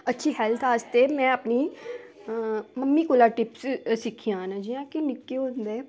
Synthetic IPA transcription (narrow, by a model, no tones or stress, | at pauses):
ətːʃʰiːɦɛːlt̪ʰaːst̪eːmɛ̃ːəpniː | məmːiːkolaːʈɪpssɪkʰːijãːnãːd͡ʒiãːkɪnɪkːeːõːnd̪eː